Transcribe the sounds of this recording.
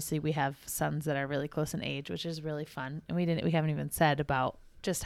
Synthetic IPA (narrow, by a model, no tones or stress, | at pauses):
sliwiɨv̥sʌ̃nzðɨɾə˞ɹɪlˠikʰl̥oʊsɨ̃nḛɪd͡ʒwɨ̰t͡ʃɨzɹɪlˠifʌ̃nɨ̃nwidɪdⁿn̩ʔwiɦævɨn̩tivɨ̃nsɛɾɨbaʊt̚ | d̥ʒ̥ʌst̚